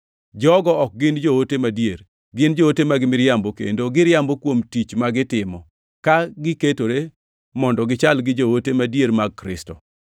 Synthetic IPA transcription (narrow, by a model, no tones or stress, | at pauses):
d͡ʒɔɡɔɔk̚ɡɪnd͡ʒowotemadjeɾ | ɡɪnd͡ʒootemaɡɪmɪɾjambokḛndoɡɪɾjambokwomtit͡ʃmaɡɪtɪmɔ | kaɡɪketoɾe | mɔndɔɡɪt͡ʃalɡɪd͡ʒowotemadjeɾmaɡ̚kɾɪ̰stɔ